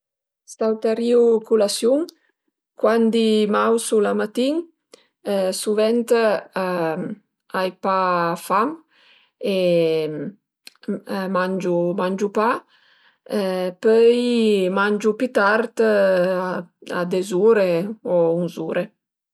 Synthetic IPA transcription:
st̪awt̪aɾiukulasjuŋ | kwand̪imawsulamat̪iŋ | suvɛnt̪a | ajpafam | e | mand͡ʒumand͡ʒupa | pœjmand͡ʒupit̪aɾt̪ | a̰d̪ezuːɾeɔunzuːɾe

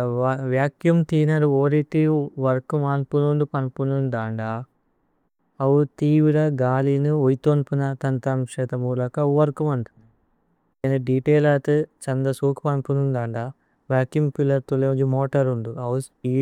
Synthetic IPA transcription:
ʋjaːkjumt̪iːnɐɾuoːɾit̪iʋɐɾkumaːnpunuɳd̪upɐnpunund̪aːɳɖaː | ɐʋut̪iːʋiɾɐɡaːlinuojt̪onpunɐt̪ɐnt̪ɐmʂɛːt̪ɐmuːlɐkɐuʋɐɾkumɐnd̪u̥ | enɐɖiʈeːlaːt̪ɨt͡ʃɐnd̪ɐsuːkpɐnpunund̪aːɳɖaː | ʋjaːkjumpilːɐɾt̪uled͡ʒumɔːʈɐɾuɳd̪uɐwu | i

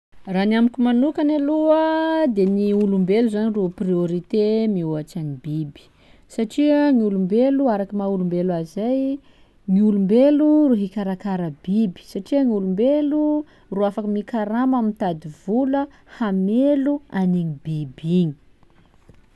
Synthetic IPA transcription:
ranamikʲumanukanaluəd̪eniulumbeluzaniruprioɾit̪emiuaʈ͡ʂanibibi̥ | saʈ͡ʂiəŋiulumbeluaɾakəmaulumbelazaj | ŋiulumbeluruɦikaɾakaɾəbibi̥saʈ͡ʂiəŋiulumbelu | ruafakəmikaɾamamint̪ad̪iv̥ulə | hameluaniɲibibiɲi̥

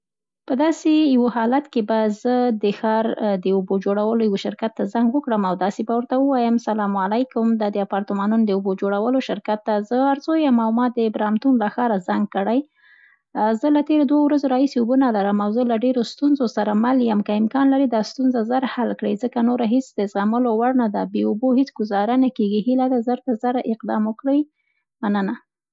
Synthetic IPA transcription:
pəd̪ɑsejawohɑlat̪kebazəd̪əxɑɾd̪əʊbod͡ʒoɽawəlojawoʃɪɾkat̪ːazaŋɡwəkɽəmawd̪ɑsebawəɾt̪awəwɑjəmsalɑmalajkʊmd̪ɑd̪əapɑɾt̪əmɑnunod̪əubod͡ʒoɽawəloʃɪɾkat̪ːazəaɾzojamawmɑd̪əbɾɑmt̪unlaxɑɾazaŋɡ̚kəɽaj | zəlat̪eɾod̪wawɾazoɾɑhiseubunalaɾəmawzəlaɖeɾost̪unzosaɾamaljəmkəɪmkɑnlaɾid̪ɑst̪unzazaɾhalkɽəjzəkanoɾaɦisd̪əzɣaməlowaɽnad̪abeubohet͡sɡʊzɑɾanakeɡihilad̪azaɾt̪azaɾɪqd̪ɑ̰mʊkɽəj | manəna

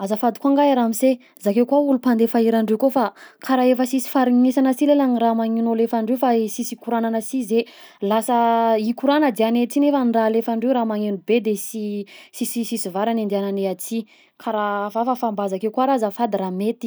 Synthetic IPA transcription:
azafad̪ikaŋɡaɾamise | zakewkwaulupand̪efaiɾaɳɖ͡ʐewkofakaɾaefəsisi̥faɾiŋesanəsilelaniramaŋinolefaɳɖ͡ʐewfasisikuɾananəsize | lasəikuɾanəd̪eanet͡sinefaniralefaɳɖ͡ʐewɾamaŋenubed̪esisisisisivaɾanend̪iananeat͡si | kʰaɾafafafambazakewkwaɾazafad̪iramet̪i̥

